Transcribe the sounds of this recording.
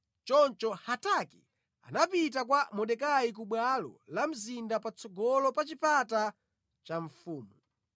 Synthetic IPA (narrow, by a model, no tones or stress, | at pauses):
t͡ʃɔnt͡ʃɔhataki | a̰napitakwamɔɗɛkajik̬uɓwalɔ̰lam̩zindapat͡sʰɔɡɔlɔpat͡ʃipʰata | t͡ʃaɱ̩fuːmu